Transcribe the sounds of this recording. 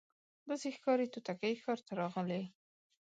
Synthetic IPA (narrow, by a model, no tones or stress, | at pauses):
d̪ɑsexkɑɾet̪ut̪akajkɑɾt̪aɾɑɣəle